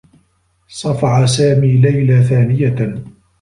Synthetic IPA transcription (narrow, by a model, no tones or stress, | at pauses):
sˤɑfɑʕasaːmiːlajlaθaːnɪja